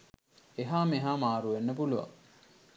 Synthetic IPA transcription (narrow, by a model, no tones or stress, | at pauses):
eɦaːmeɦaːmaːɾuʋenːəpuluʋa̰ŋ